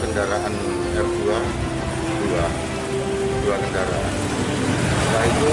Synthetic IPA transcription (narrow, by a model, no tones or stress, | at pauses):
kəndaɾaʔan | ɛrdua | dua | duakəndaɾa̰ʔan | baik